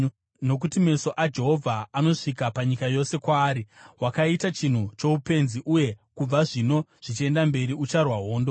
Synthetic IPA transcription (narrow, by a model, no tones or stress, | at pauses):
no̞k̬utime̞so̞ʔad͡ʒe̞ɦo̞vʱaano̞ʂikapaɲikajo̞se̞kwaːɾiɦwakaitat͡ʃin̤ut͡ʃo̞upe̞nziʔuje̞kub͡vaʐino̞ʐ̥it͡ʃie̞ndambe̞ɾiut͡ʃarwaɦo̞ːndo̞